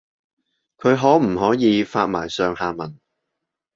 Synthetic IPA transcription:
kʰɵ˨˧ɥɦɔː˨˥m̩˨˩hɔː˨˥jiː˨˧faː˧t̚maː˨˩jsœː˨ŋhaː˨˧mɐ˨˩n

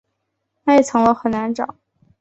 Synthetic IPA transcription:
nʰa˥jɛ˨˩t͡sʰɤ˧˥ŋlə˧xə˨˩nna˧˥nʈ͡ʂɑ̰˨˩˦ŋ

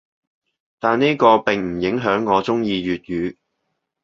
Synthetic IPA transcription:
t̪aː˨nni˥kɔː˧pɪ˨ŋm̩˨˩jɪ˨˥ŋɦœː˨˥ŋːɔː˨˧t͡sʊ˥ŋjiː˧jyː˨t̚jyː˨˧

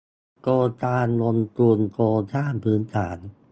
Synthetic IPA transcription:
koː˧t̪aː˧nlo˧nt̪u˧nkoː˧t̪ʰaː˥˩npʰɯː˩˦˥nt̪ʰaː˩˦n

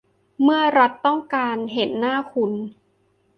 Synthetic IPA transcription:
mɯ˥˩ɐɾa˦˥t̪ːɔ˥˩ŋkaː˧nɦe˩˦nːaː˥˩kʰu˧n

